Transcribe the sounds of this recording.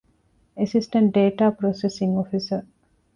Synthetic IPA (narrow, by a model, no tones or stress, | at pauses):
esisʈɐɳʈ̚ɖeːʈaːpɾosesiŋofisə